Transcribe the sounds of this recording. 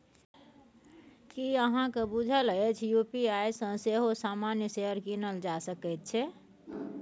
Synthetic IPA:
kiəɦãkebud͡ʒʱələɛt͡ʃʰjupiajsə̃seɦosamanjəseɦəɾkinəld͡ʒasəkɛt̪̚t͡ʃʰɛ

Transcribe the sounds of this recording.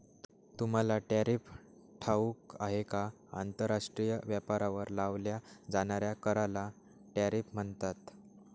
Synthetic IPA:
t̪um̤alaʈæɾif | ʈʰauːkaɦeka | ant̪əɾaʂʈɾijəʋjapaɾaʋəɾlaʋljad͡zaɳ̃aɾjakəɾala | ʈæɾipʰm̤əɳt̪at̪

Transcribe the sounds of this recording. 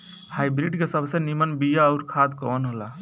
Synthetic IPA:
hajbɾiɖkesəbʱsẽnimənbijaəʊɾkʰad̪kɔnɦola

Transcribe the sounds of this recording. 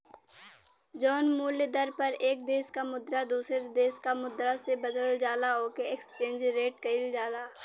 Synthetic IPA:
d͡ʒɔːnmuːled̪ɐɾpɐɾeːk̚d̪eːskamʊd̪ɾad̪uːsɾd̪eːskamʊd̪ɾasebɐd̪əld͡ʒaːlaɦoːkeekst͡ʃẽːnd͡ʒɾeːʈkɐɪld͡ʒaːlaː

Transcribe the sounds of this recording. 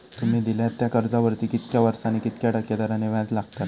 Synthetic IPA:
t̪um̤iːd̪iljat̪ːjakəɾd͡zaʋəɾt̪iːkit̪̚kʲjaʋəɾsanekit̪kjaʈəkjad̪aɾaneʋãd͡zlaɡ̚t̪at̪

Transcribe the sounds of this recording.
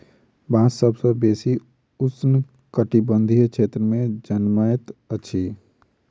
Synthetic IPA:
bãsəbsə̃besi | usn | kəʈibənd̪ʱit͡ʃʰeːt̪ɾəmẽd͡ʒənməjt̪ət͡ʃʰi

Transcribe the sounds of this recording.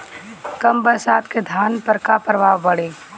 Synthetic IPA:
kɐmbəɾsaːt̪ʰked̪ʱaːnpəɾkapɾəʋaːʋbəɽeː

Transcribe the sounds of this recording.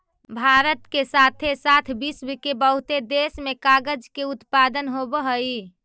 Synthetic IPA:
bʱaɾət̪kesat̪ʰesat̪ʰbisbikebəɦut̪ed̪esmekaɡəd͡ʒkeut̪pad̪ənɦobəɦəi

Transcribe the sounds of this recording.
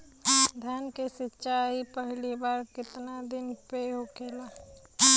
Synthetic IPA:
d̪ʱjaːnkesɪtːt͡ʃaːipəɦlibaːɾkɪt̪nad̪ɪnpeɦokʰeːlaː

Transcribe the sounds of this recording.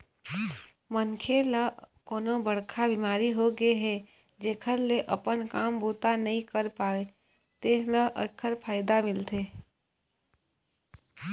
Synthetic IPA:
mənkʰelə | koːnõbəɽkʰabɪmaːɾiɦoɡeɦɛ̃ | d͡ʒeːkʰəɾleʔəpənkaːmbuːt̪anəĩkəɾpaːe | t̪eːləʔə̰kʰəɾpʰaːɪd̪amɪlt̪eː

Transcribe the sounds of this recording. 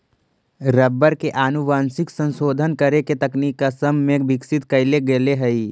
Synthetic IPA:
ɾəbːəɾkeʔaːnuʋaːnsɪksə̃nsoːd̪ʱənkəɾeket̪əknikːasəmːẽbʱɪksɪt̪kəɪleɡeːleɦəi

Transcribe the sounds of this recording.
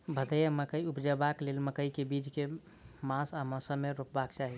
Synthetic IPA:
bʱəd̪əjəməkəjupd͡ʒəbaklelməkəjkebid͡ʒke | masaməsəmeɾop̚bakt͡ʃaɦi

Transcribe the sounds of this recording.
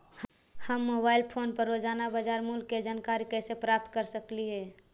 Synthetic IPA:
h | həmːobailpʰonpəɾːod͡ʒanabad͡ʒaɾmulːed͡ʒankaɾikɛsepɾap̚t̪̚kəɾsəkliɦɛ

